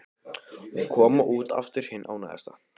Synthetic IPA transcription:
uŋkʰɔːmaʔuːt̪a̰ft̪ɪɾ̥hɪnːʔawna̰ːðɛ̰st̪a

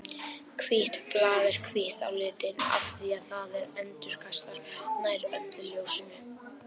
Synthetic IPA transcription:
kʰviht̪plaːvɛɾ̥kʰviht̪a̰wlɪːt̪ɪna̰fθiaðθaðɛɾɛnt̪ʏɾ̥kʰast̪aɾ̥najɾœt̪ljoːwsɪnɪ

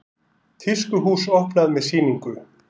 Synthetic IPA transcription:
t̪ʰiskʏɦuːsowhpnaðmɛðsiːniŋkʏ

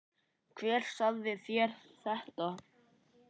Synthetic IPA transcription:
kʰvɛːɾ̥saððɪθjɛɾ̥ | θɛht̪a

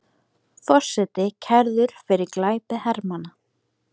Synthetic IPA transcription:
θɔr̥sɛt̪ɪcʰɛɾðʏɾ̥fɪɾɪɾklaːjpɪhɛɾmana

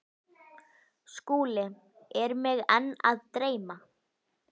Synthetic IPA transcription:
skuːlɪ | ɛɾmɪɣɛnːa̰ðt̪ɾeːjma

